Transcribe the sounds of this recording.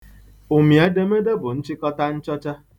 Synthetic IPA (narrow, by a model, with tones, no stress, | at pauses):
o˨mi˨a˦de˦me˦de˦bʊ˨n̩˦t͡ʃi˦kɔ˦ta˦n̩˦t͡ʃɔ˦t͡ʃa˦